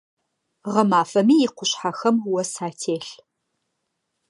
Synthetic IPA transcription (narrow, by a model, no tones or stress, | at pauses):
ʁɐmaːfɐmiːjɪqʷʊɕħaxɐmwɐsaːtʰeːɬ